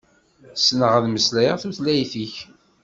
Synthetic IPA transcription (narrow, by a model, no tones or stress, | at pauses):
snəʁəðməslæjəʁθuθlæjθiç